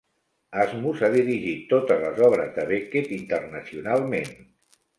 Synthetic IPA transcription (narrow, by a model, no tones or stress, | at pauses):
azmuzaðiɾiʒit̪ːot̪əzləzɔβ̞ɾəzðəβeket̪int̪ərnəsiunalˠmen